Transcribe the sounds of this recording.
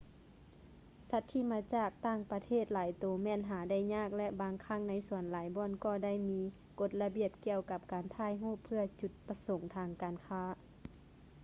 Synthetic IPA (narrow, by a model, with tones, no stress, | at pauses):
sa˧˥t̪ʰːiː˧˩maː˧˥t͡ɕaː˧˩k̚t̪aː˧˥˩ŋpa˧t̪ʰeː˥˩˨t̪̚laː˨˦jt̪oː˨˦mɛː˧˨nɦaː˨˦da˧˥˩jɲaː˧˥˩k̚lɛ˧ʔbaː˨˦ŋkʰa˧˥˩ŋna˧˥jsu˨˩˦ənlaː˨˦jbɔː˧˥˨nkɔː˧˩da˥˩˨jmiː˧˥ | ko˧˦t̪̚la˧bi˧˩əp̚ki˧˨əwka˧p̚kaː˨˩nt̪ʰaː˧˥˨jɦuː˧˥˩pʰɯ˧ɐt͡ɕu˧˩t̪̚pa˧so˨˦ŋt̪ʰaː˧˥ŋkaː˨˩nkʰaː˧˥˨